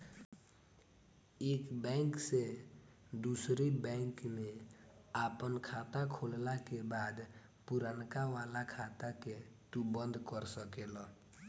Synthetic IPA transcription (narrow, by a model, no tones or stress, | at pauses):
ekbɛŋkse | d̪usɾibɛŋkmeapənkʰat̪akʰollakebad̪ | puɾankaʋalakʰat̪aket̪ubənd̪ʱkəɾsəkelɔ